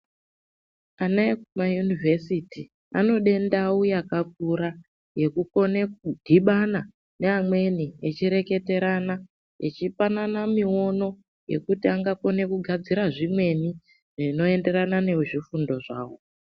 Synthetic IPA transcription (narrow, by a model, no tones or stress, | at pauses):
anaekumajunivʱesiti | ano̞ɗe̞ndawujakak̚uɾa | je̞kuko̞ne̞kudʱiɓana | ne̞amwe̞niet͡ʃiɾe̞ke̞te̞ɾana | ḛt͡ʃifananamio̞no̞ | je̞̰kutiaŋɡako̞ne̞kuɡʱad͡ziɾaʐimwe̞ni | ʐino̞e̞nde̞ɾanane̞ʐifundo̞ʐa̰ːwo̞